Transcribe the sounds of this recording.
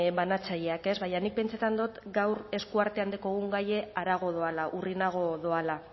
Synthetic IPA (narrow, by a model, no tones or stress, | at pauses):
βanat͡saʎe̞ake̞zβajanik̚pe̞nt͡sat̪and̪ot̪ɡawɾe̞skuaɾt̪e̞and̪eko̞ɣuŋɡaje̞aɾaɣ̞o̞ð̞o̞alaʔurinaɣ̞o̞ðoala